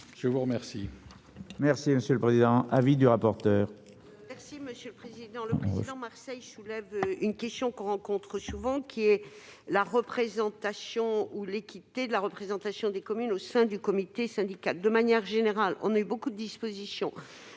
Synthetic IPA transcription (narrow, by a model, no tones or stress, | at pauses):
ʒ̥əvuʁəmɛʁsi | mɛʁsiməsjøləpχezid̪ɑ̃ʔavid̪yʁapɔʁt̪œːʁ | mɛʁsiməsjøləpχezid̪ɑ̃lə̰lɑ̃maʁsɛjsulɛvynkʲɛst̪jɔ̃kɔ̃ʁɑ̃kɔ̃t̪χəsuvɑ̃kʲʰiɛ | laʁəpχezɑ̃t̪asjɔ̃ulekʲit̪ed̪əlaʁəpχezɑ̃t̪asjɔ̃d̪ekɔmynosɛ̃d̪ykɔmit̪esɛ̃d̪ikald̪əmanjɛʁʒeneʁalɔ̰̃naybokud̪əd̪ispozisjɔ̃